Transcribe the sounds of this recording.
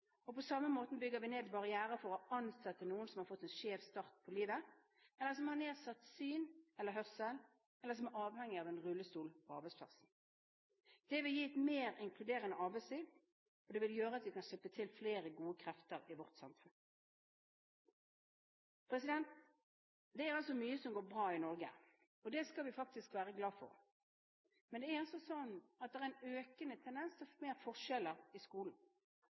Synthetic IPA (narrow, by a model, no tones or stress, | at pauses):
ɔpʰɔsɑmːəmoːt̪n̩bʏɡəʋɪneːd̪bɑʁɪæːʁəfɔʁɔɑnsɛt̪ːənuːənsɔmhɑɾfɔt̪ːɛnʃeːʋst̪ɑʁt̪̚pʰɔliːʋə | ɛlːəʁsɔmhɑʁneːsɑt̪syːnɛlːəʁɦœʁsəl | ɛləʁs̬ɔmɛʁɑːʋhɛŋːɪɑːʋɛnʁʉlːəst̪uːlpʰɔɑ̰ʁbæɪspʰlɑ̰ʁsn̩ | d̪̥ɛʋɪljiːɛt̪meːʁɪŋkʰlʉd̪eːʁənəɑːbæɪsliːd̪ | ɔd̪ɛʋɪljøːʁəɑt̪ʋɪkʰɑnʂɛpːət̪ʰɪlfleːɾəɡuːəkʰɾɛft̪əʁɪʋɔʁt̪sɑmffʉn | pʰɾɛsɪd̪ɛnt̪ | d̪ɛæɾɑlsɔmyːəsɔmɡoːɾbʁɑːɪnɔʁɡə̰ | ɔd̪ɛskɑlʋɪfɑk̚t̪ɪskʋæːʁəɡlɑːfɔ̰ʁ | mɛnd̪ɛæɾɑlsɔsɔnːɑt̪̚d̪ɛæɾʁæɪnøːkənət̪ʰɛnd̪ɛnst̪ʰɔfmeːʁfɔʁʂɛləʁɪskuːln̩